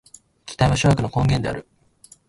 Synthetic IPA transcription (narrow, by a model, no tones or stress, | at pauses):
kʲi̥t̪aĩβaɕojakɯ̟no̞kõ̞ŋɡʲẽ̞nd̪e̞a̰ɾɯ̟